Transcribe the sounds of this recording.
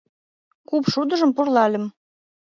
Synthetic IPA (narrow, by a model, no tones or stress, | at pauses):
kupʃud̪əʒə̆mpurlɑlʲə̆m